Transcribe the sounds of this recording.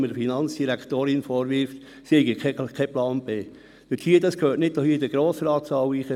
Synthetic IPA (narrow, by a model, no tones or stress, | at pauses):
məɾfinɑnt͡ssd̥iɾækt̪oːɾɪnfɔːɾʋɪɾft | seɪɡəkʰɛkʰɛplɑːnb̥eː | d̥əthiːədɑskʰøːtnɪd̚d̥ɔhiədəɡ̥ɾoːsəɾɑːtsɑwiːχə